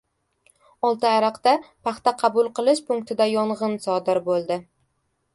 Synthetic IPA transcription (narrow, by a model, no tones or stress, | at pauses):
ɒlˠt̪ɪaɾɑqt̪apʰɑχt̪aqʰɑbʊlˠqʰɨlˠɪʃpʊŋk̚t̪ʰɪd̪ajɒɴʁɨnsɒd̪ɪɾbolˠd̪ɪ